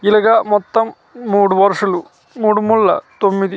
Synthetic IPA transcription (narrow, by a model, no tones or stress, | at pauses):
ilɐɡɐmɔt̪ːɐmː | uːɽuʋɐɾʂɐlu | muːɽumulːɐ̰t̪omːid̪i